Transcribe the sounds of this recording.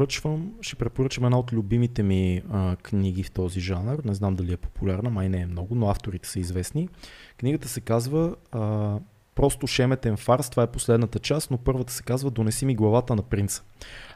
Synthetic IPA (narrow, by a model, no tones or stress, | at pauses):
ɾət͡ʃvəmʃɛ̥pɾɛpoɾɤt͡ʃəmɛd̪naot̪lʲʊbimit̪ɛmiəkniɡ̟ift̪ɔziʒanəɾnɛznamd̪ɐliɛpo̥pulʲaɾnəmajnɛːmnɔɡʊnoaft̪oɾit̪ɛ̥səizvɛsnikniɡət̪əsɛkazvə | pɾɔst̪oʃɛmɛt̪ɛnfaɾst̪ovaɛposlɛd̪nət̪ət͡ʃast̪nopɤɾvət̪ə̥sɛ̥kazvəd̪onɛsimiɡlˠɐvat̪ənɐpɾint̪sə̥